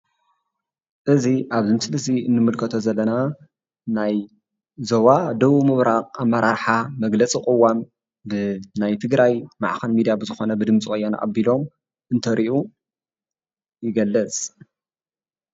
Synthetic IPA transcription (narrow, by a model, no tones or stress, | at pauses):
ʔɨziʔaβzɨmɨslɨsiɨnːɨmɨlkʰɐt̪ʰozɐlːɐna | naj | zoβad̪ɐβumɨβɾaqʼamːɐɾaɾħamɐɡlɐt͡sʼikʼɨwːam | bɨnajt̪ʰɨɡɾajma̰ʕxɐnmid̪ijabɨzɨxo̞nɐbɨd̪ɨmt͡sʼixʼɐjːana̰ʔa̰bːilo̞m | ʔɨnt̪ʰɐɾiʔu | jɪɡɐlːɐt͡sʼ